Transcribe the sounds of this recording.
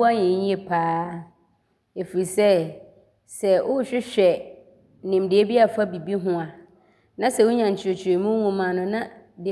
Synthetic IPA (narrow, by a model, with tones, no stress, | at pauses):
a˦ɲɛ̃˨˦ĩ˦e˨pʰaː˦ | e˨fi˨i˨sɛ˦ | sɛ˨ʔʊ˦ɕᶣɪ˦ɕᶣɛ˨ | nɪ̃˨mdɪ˨e˦bi˦a˨fa˦bi˨bi˦ɦʊ̃˦a˨ | nã˦sɛ˨wʊ˦ɲã˨ɲʰ˨ɪ˨o˨t͡ɕʰe˨mũ˦ŋʊ̃˨mã˨nʊ̃˨nã˦ | dɪ˨